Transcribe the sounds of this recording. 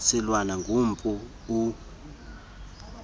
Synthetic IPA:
sɛlwanaŋɡʱum̩pʼu | u

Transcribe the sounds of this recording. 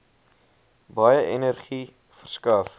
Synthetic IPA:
bɐjəʔɛnərχi | fərskɐf

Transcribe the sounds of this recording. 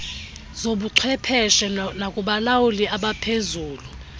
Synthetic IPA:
zoɓuǀʰwɛpʰɛʃɛnakʼuɓalawuliʔaɓapʰezuːlu

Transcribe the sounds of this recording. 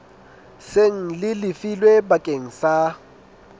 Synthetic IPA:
seŋ̩lɪlɪfilwebakʼeŋ̩sa

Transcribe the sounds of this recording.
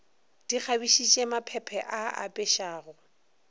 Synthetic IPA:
d̥ik͡xʰabiʃit͡ʃʼemapʰɛpʰɛʔaa̰pʼɛʃaːɣʊ

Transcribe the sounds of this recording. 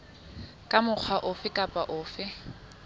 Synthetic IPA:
kʼamʊk͡xʰwaʔʊfɪkʼapʼaʔʊːfɪ

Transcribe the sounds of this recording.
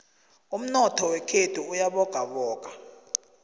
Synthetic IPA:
um̩nɔtʰɔwɛkʰedʰʱʼuːjaɓɔɡ̥ʱaɓɔːk̬ḁ

